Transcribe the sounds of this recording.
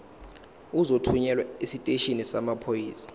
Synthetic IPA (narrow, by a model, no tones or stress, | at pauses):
uzotʰuɲɛlwaisitʼeʃinisamapʰojiːsḁ